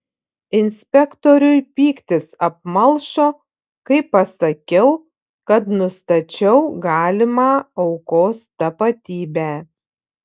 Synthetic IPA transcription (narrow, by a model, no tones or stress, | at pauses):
ɪnʲsʲpʲɛkt̪oːɾʲʊɪpʲiːkt̪ʲɪsɐp̚mɐlˠʃoː | kɐɪpːɐsɐkʲɛʊ | kɐt̪nʊst̪ɐt͡ʃʲɛʊɡɑːlʲɪmɑːɐʊkoːst̪ɐpɐt̪ʲiːbʲæː